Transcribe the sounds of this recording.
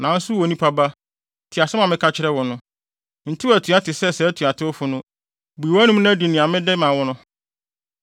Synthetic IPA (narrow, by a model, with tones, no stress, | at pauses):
nã˨n̩˦sʊ˦wɔ˨˦nĩ˦pʰa˦ba˦ | tʰɪ˨a˨sɛ˦mã˨mɪ̃˦kʰa˦t͡ɕʰɪ˦ɾɛ˦wɔ˨nʊ̃˦ | n̩˨tʰɪ˦˨æ˨tʰu˨a˦tʰɪ˨sɛ˦sɛ˨˦tʰu˨a˨tʰɪ˦ʊ˦fʊ˨˦nʊ̃˦ | bu˨i˨wæ˦nũ˦m˦ñ˦di˨nĩ˨a˨mɪ̃˦dɛ˦mã˨wɔ˦nʊ̃˦